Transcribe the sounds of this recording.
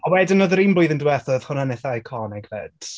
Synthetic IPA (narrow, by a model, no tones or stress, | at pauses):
ɔwɛdɪnɔðɾimblˠʊɨðəndwɛθəð̥hʊnanɛθajkʰɔnɛɡvɛ̰d̥